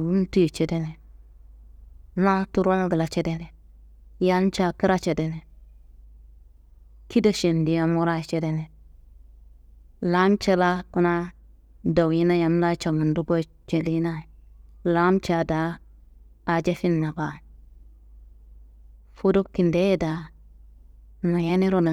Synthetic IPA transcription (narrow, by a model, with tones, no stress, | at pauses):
wu˦n˦tu˦i˨t͡ʃe˨de˦ne˨ | na˦tu˦ɾa˦ɡə˨la˨t͡ʃe˦de˦ne˨ | ja˦n˦t͡ʃa˨ki˦ɾa˦t͡ʃe˨de˨ne˨ | ki˦da˦˨ʃe˨ndi˨ja˨mu˦ɾa˦i˨t͡ʃe˦de˦ne˨ | la˦mt͡ʃe˦la˦ku˦na˦ | da˨wji˦na˦ja˨m˦la˦t͡ʃa˨mu˨ndu˦ɡo˦ | t͡ʃe˨li˦na˦˨la˦mt͡ʃa˨daː˨˦˨ | d͡ʒe˦fi˦nːa˨ɡa˨ | fu˦do˦kːi˨nde˦je˦da˨ | na˨ja˦ni˦ɾo˨na˨